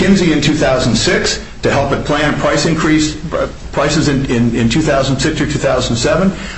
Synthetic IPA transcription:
kɪ̃nziɨ̃ntʰʉθaʊz̃n̩sɪks | tʰɨhɛlˠpɨpʰl̥æ̃npʰɹ̥aɪsɨ̃nkʰɹ̥is | pʰɹ̥aɪsɨzɨ̃nɪ̃nɪ̃ntʰʉθaʊzn̩sɪksə˞tʰʉθaʊzn̩sɛvə̃n

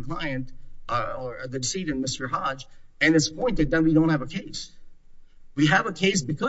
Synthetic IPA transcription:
kʰl̥aɪɨ̃nt | ə˞ðɨsiɾɨ̃nmɪstə˞ɦɑ̥d͡ʒɨ̃nɨtspʰɔ̃ɪ̃nðɨt̚dʌ̃n̚wiɾõʊ̃nt̚hɨvəkʰeɪs | wiɨvəkʰeɪs̬b̥ɨkʰʌ

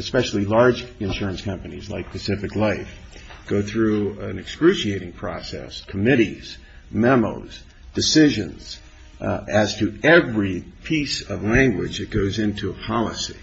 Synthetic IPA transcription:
ɨspɛʃl̩ˠilɑɹd͡ʒɨ̃nʃʊɹɨ̃nskʰʌ̃mpɨnizla̰ɪk̚pʰɨsɪfɨklaɪf | ɡ̥oʊθɹʉɨ̃nɨkskɹʉʃieɪɾɪ̃ŋpʰɹ̥ɔ̰sɛ̰skʰəmɪɾḭz̥ | mɛmo̰ʊz̥ | d̥ɨsɪʒɨ̃nz̥ | ɨz̥tʰɨɛvɹipʰisʌvlæ̃ŋɡwɪ̰d͡ʒɨt̚ɡ̥oʊzɪ̃ntʰuəpʰɑlˠəsḭ

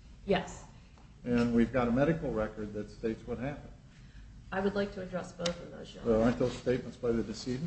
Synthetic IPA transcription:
jɛs | ɨ̃nwivɡɑɾəmɛɾɨkl̩ˠɹɛkə˞d̪̚ðɨtsteɪtswʌt̚hæpə̃n̩d̥ | aɪwədˡlaɪk̚tʰɨːdɹɛsb̥oʊθə̃nðo̰z̥̰ɑ̃nt̪̚ðoʊz̥steɪt̚mə̃ntsb̥aɪðɨdɨsiʒ̃n

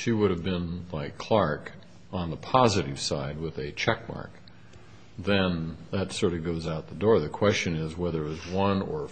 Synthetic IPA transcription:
ʃiwʊɾɨvbɪ̃nlaɪkʰl̥ɑɹk | ə̃n̩ðəpʰɑzɨɾɨv̥saɪd̚wɪðɨt͡ʃʰɛk̚mɑ̰ɹk̚ | ðɨ̃nðɨtsɔɹɾʌvɡoʊzaʊt̪̚ðədɔɹðɨkʰw̥ɛst͡ʃɨ̃nɪzwɛðə˞ɨwʌzwʌ̃nə̰˞

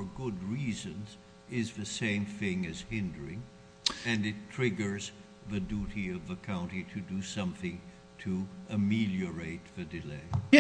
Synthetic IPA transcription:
ə˞ɡʊd̚ɹizɨ̃nz | ɪzðɨsẽɪ̃mθɪ̃ŋɨz̥hɪ̃ndə˞ɪ̃ŋ | ɨ̃nɨtʰɹ̥ɪɡə˞z | ðɨduɾiʌvðəkʰãʊ̃ntiɾɨdɨsʌ̃mθɪ̃ŋ | tʰɨɨmilˠjə˞eɪt̪̚ðɨdɨleɪ

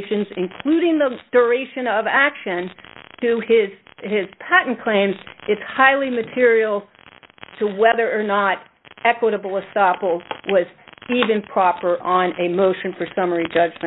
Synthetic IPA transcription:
ʃɨ̃nzɨ̃nkʰl̥uɾɪ̃ŋðəd̥ə˞eɪʃɨ̃nʌvækʃɨ̃nd̥ɨɪz̥ | ɪz̥pʰæʔn̩kʰl̥ẽɪ̃mzɨtshaɪlˠimɨtʰɪɹil̩ˠ | tʰəwɛðə˞ːnəɾ | ɛkwəɾəbl̩ˠəstɑpl̩ˠwʌzivɨ̃npʰɹ̥ɑpə˞ʔə̃nɨmoʊʃɨ̃nfə˞sʌmə˞id͡ʒʌd͡ʒmɨ̃

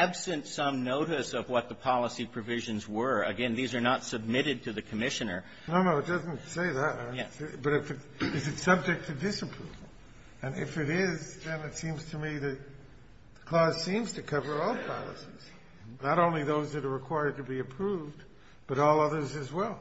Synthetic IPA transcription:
æbsɨ̃ntsʌ̃mnoʊɾɨsʌvwʌt̪̚ðəpʰɑlˠəsipʰɹ̥ɨvɪʒɨ̃nzwə˞ɨ̰ɡɛ̃nðizə˞nətsɨb̚mɪɾɨd̚tʰɨðɨkʰɨmɪʃɨ̃nə̰˞ | noʊnoʊɨt̚d̥ʌzn̩tseɪðɨt̚b̥ʌɾɨfɨt | ɨzɨtsʌb̚d͡ʒɨk̚tʰɨdɪsɨpʰɹ̥uvl̩ˠ | ɨ̃nɪ̰fɨɾɪzðɨ̃nɨtsĩmz̥tʰɨmiðɨt̪̚ | ðəkʰl̥ɔz̥sĩmz̥tʰɨkʰʌvə˞ɔlˠpʰɑ̰lˠə̰siz̥ | nəɾõʊ̃nliðoʊzðɨɾə˞ɹɨkʰw̥aɪə˞d̚tɨbiɨpʰɹ̥uvd | b̥ʌɾɔlˠʌðə˞zɨzwɛlˠ

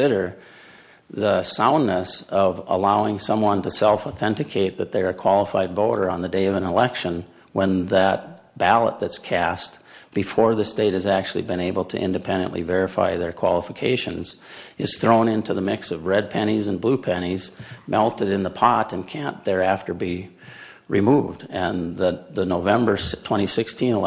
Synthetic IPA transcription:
ɪɾə˞ | ðəsãʊ̃nːɨsʌvə̰laʊɪ̃ŋsʌ̃mwʌ̃ntɨsɛlˠfəθɛ̃ntɨkʰeɪt̪̚ðɨt̪̚ðə˞ɨkʰw̥ɑlˠəfaɪd̚bɔʊɾə˞ə̃nðɨdeɪʌvə̃nəlɛkʃɨ̃n | wə̃nðət̚ | b̥ælˠə̰t̪̚ðɨtskʰæst̚ | b̥ɨfɔɹðɨsteɪɾ̚ɨzæk̚t͡ʃʉl̩ˠḭbɨ̃neɪbl̩ˠtʰɨ̰ʔɪ̰̃ndɨpʰɛ̃ndɨ̰̃nʔlḭvɛɹɨfa̰ɪðə˞kʰw̥ɑ̰lˠəfəkʰeɪʃɨ̰̃nzɨz̥θɹõʊ̃nɪ̃ntʰʉðəmɪksʌvɹɛd̚pʰɛɾ̃izɨ̃nblupʰɛñizmʔɛlˠtɨɾɨ̃nðəpʰɑɾɨ̃nkʰæ̃nðə˞æftə˞bi | ɹimuvdɨ̃nðɨðɨnoʊvɛ̃mbə˞tʰw̥ɛ̃ɾ̃isɪkstʰĩn

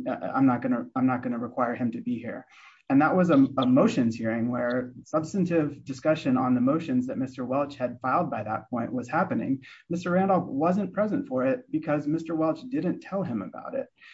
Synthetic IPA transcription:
ã̰ɪ̃mnət̚ɡ̥ʌnɨãɪ̃mnət̚ɡ̥ʌnɨɹɨkʰw̥aɪə˞ɨ̃mtɨbihḭɹ | ɨ̃nðəʔ̚wʔʌzəəmoʊʃɨ̃nz̥hiɹɪ̃ŋwə˞sʌb̥stɨ̃n̩tɪvdɨskʌʃɨ̃nə̰̃nðəmoʊʃɨ̃nzðɨt̚mɪstə˞wɛlˠt͡ʃhɨd̥faɪlˠd̚baɪðə̰t̚pʰɔ̃ɪ̃nʔwʌz̥hæpɨnɪ̰̃ŋmɪstə˞ɹæ̃ndl̩ˠwʌzɨ̃npʰɹ̥ɛzɨ̃ntfə˞ɪt̚b̥ɨkʰʌzmɪstə˞wɛlˠt͡ʃd̥ɪdⁿn̩tʰɛlˠɨ̃məba̰ʊɾɪt̚

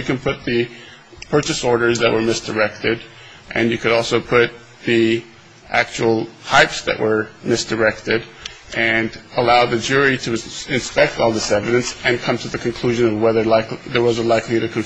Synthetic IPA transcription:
ɨkɨ̃npʰʊt̪̚ðɨ | pʰɜ˞t͡ʃɨsɔɹɾə˞zðɨʔ̚wə˞mɪsd̥ə˞ɛk̚tɪɾ | ʔɨ̰̃njɨkɨɾɔlˠsoʊpʰʊt̪̚ | ði | ʔæk̚t͡ʃul̩ˠhaɪpsðɨ̰ʔwə˞mɪsd̥ə˞ɛk̚tɪɾʔɨ̃nəlaʊðɨd͡ʒʊɹiɾɨɨ̃nspɛk̚tɔlˠðɪsɛvɨɾɨ̃nsɨ̃nkʰʌ̃mtʰɨðɨkʰɨ̃nkʰl̥ʉʒɨ̃nʌvwɛðə˞laɪkðə˞wʌzəlaɪkliɾɨkʰɨ̃ɱ

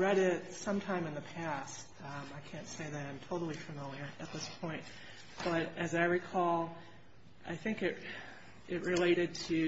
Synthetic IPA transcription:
ɹɛɾɪt̚sʌ̃mtʰãɪ̃mɨ̃nðɨpʰæst̚ | maɪkʰæ̃ntseɪðɨɾãɪ̃mtʰoʊɾl̩ˠifɨmɪlˠjə˞ɨt̪̚ðɪspʰɔ̃ɪ̃nt̚ | b̥ʌɾɨzaɪɹikʰɔlˠ | ʔaɪθɪ̃ŋkɨʔ | ʔɪt̚ɹɨleɪɾɨd̚tʰɨ

